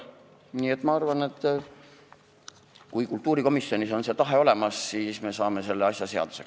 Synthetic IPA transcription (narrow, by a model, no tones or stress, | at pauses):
niːe̞t̪mɑɑrvɑne̞t̪ːˑ | kujkult̪ːˑuːɾiko̞misjo̞nʲiso̞nse̞ːt̪ɑɦe̞o̞le̞mɑsːiːsme̞sɑːme̞se̞lːeɑsjɑse̞ɑ̰d̪̥u̥se̞k